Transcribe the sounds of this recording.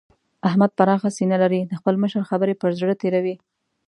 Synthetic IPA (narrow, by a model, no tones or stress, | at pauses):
ahmad̪̚paɾɑxasinalaɾid̪əxpəlməʃəɾxabəɾepəɾzɽət̪eɾawi